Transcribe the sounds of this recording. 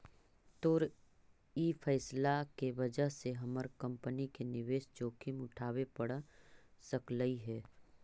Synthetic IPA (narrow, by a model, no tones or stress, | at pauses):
t̪oːɾ | iːfʰɛːslakeʋɐd͡ʒəɦseɦɐməɾkɐ̃mpənikenɪʋeːʃt͡ʃoːkʰimʊʈʰaːwepəɽsəkləiɦɛː